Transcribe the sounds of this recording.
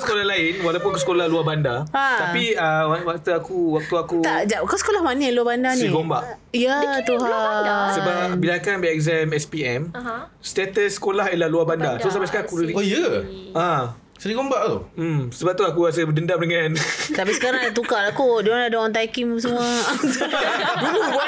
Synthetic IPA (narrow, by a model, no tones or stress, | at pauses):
sə̥kolahlaɪnwalawp̬unakusəkolahluahbandaat̪apiəawak̚t̪uakuwak̚t̪uakut̪aʔd͡ʒaʔkasə̥kolahmanəluabandasniɾĩɡombaʔ | ijat̪uɦaasəbabilakanbɛɛkzɛmɛspiɛmst̪ɛt̪əsːə̥kolaɦelahluabandasos̬abaʔsəkaakuɾudijəã | səɾiɡombaʔomsəbap̚t̪uakuas̬əbədəndam̚dəŋãnt̪apisə̥kaɾaŋadat̪ukalakudoŋaladoŋant̪ajkims̬əmuasɡuɾu